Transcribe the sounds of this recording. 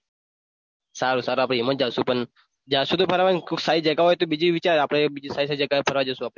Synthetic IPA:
saɾusaɾuaːpɽ̃eimət̪̚d͡ʒasũpəɳ | d͡ʒasũt̪̬opʰəɾaʋanksaid͡ʒəkaɦojt̪obid͡ʒiʋit͡ʃaɾapɽ̃ebid͡ʒisaisaid͡ʒəkaepʰəɾʋad͡ʒosũapɽe

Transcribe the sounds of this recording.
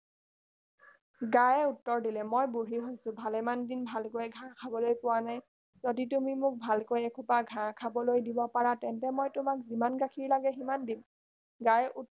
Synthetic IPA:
ɡajɛutːɔɹdilɛmojbuɹiɦojsʊ̃bʱalɛmandinbʱalkojɛɡʱãkʰabɔlojpʊwanaj | zoditumimʊk̚bʱalkojɛkʰupaɡʱãkʰabɔlojdibɔpaɹatɛntɛmojtʊmak̚zimanɡakʰiɹlaɡɛximandim | ɡajʔu

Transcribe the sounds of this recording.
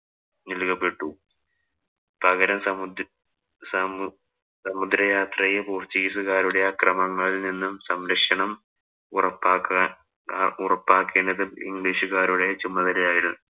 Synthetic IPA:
nilkɐpːe̞ʈːu | pɐɣɐɾɐmsɐmud̪ | sɐ | sɐmud̪ɾɐjaːt̪rɐjepuːrt͡ɕːiisuɣaːɾuɽe̞jɐkrɐmɐŋːɐɭininːumsɐmɾɐkʂɐɳɐm | urɐpːaːkː | urɐpːaːkːeːndɐðɨlḭŋɡɭiːʂuɣaːɾuɽe̞t͡ɕumɐðɐlɐjaːjiɽunː

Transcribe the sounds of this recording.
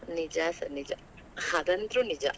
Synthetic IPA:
nid͡ʒasɐnid͡ʒa | had̪ɐnt̪ɾunid͡ʒa̰

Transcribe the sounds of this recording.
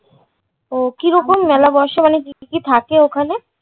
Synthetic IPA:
okiɾɔkomːɛlabɔʃemanekikit̪ʰakeokʰane

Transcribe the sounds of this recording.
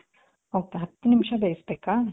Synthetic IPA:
owkeɦɐt̪ːunimʃɐbeːjisbeːka

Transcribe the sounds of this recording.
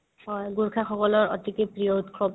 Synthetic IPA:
ɦɔjɡuɹkʰaxɔkɔlɔɹɔ̰tikepɹijɔutkʰɹɔ

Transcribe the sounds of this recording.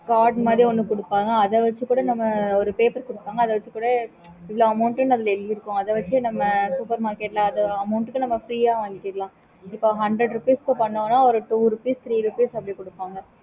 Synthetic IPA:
kaːɖmaːðɾiɔnːɯkʊɽɯpːaːŋɡɐːðɛʋɐt͡ʃːɯkuːɽɐnɐmːɐɔɾɯpeːpɐɾkɔɽɯpːaːŋɡɐðɐʋɐt͡ʃːɯkːuːɽɐ | ɪʋɪɭoːɐmɐʊɳʈɯnɐðɪlɛlːiɪɾɯkːʊ̃ɐðɐʋɐt͡ʃːɯnɐmːɐsuːpɐɾmaːɾkeːʈlãːɐðɐɐmɐʊɳʈɯkːɯnɐmːɐfɾiːaːʋaːŋɡɪʈːɪʈlãː | ɪpːoːɦɐɳɖɾɛɖɾɯpiːskɯpɐɳːõːnaːɔɾɯʈuːɾɯpiːst̪ɾiːɾɯpiːsɐpːɐɽikɔɽɯpːaːŋɡɐ

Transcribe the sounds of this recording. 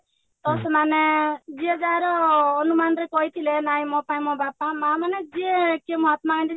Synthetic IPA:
t̪ɔsɔmaned͡ʒied͡zaɾɔːnumanɾekɔɦit̪ʰilenaĩmɔpaĩmɔbapamamaned͡ʒiekemɔɦat̪makant̪i

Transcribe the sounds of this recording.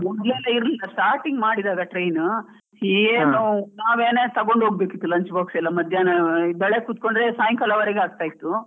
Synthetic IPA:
mɔnd̪leːlɐiɾlilːɐsʈaːɾʈiŋɡmaːɽid̪aːɡɐʈɾejn | hiːɡeːnunaːʋeːneːt̪ɐɡo̞ɳɖoːɡ̚beːkit̪ːulɐɲt͡ʃboːksɛlːɐmɐd̪ʱjaːnɐbɛɭekut̪ko̞ɳɖɾesaːjɐŋkɐlɐʋɐɾeɡeaːɡ̚t̪aːjit̪ːu

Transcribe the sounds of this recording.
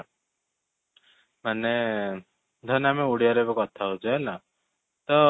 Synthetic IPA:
mane | d̪ʱʌnameuɽijaɾebɔkɔt̪ʰaɦod͡ʒaela | t̪ɔ

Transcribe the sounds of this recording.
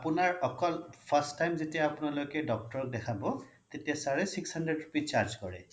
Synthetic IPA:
apʊnaɹɔkɔlpʰastːajmzetijaːpʊnalojkɛdɔk̚tɔɹɔk̚dɛkʰabɔ | t̪etijasaɹɛsikshandɹedɹupit͡ʃaɹzkɔɹɛ̰

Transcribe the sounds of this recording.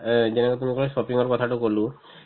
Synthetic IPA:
zɛnɛkɔt̪umikɔlɔsɔpiŋɔɹkɔt̪ʰatʊkolʊ̃

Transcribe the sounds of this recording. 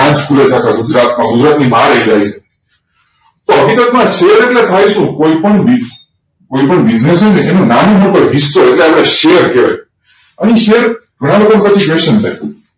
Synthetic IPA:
ãt͡ʃkʰulet͡ʃʰakʰaɡud͡ʒɾat̪̚mãɡʊd͡ʒɾat̪nibaɾəid͡ʒajt͡ʃʰe | t̪oəɡit̪ət̪mãʃeəɾeʈlet̪ʰajʃũkoipəɳbi | koipəɳbid͡ʒnesonẽenõnanũɦənpəɾɦisːoeʈleapɽaʃejəɾkeʋa̰j | əniʃeəɾɡʱəɽ̃alokonkət͡ʃʰiʋeʃənt̪ʰa̰j

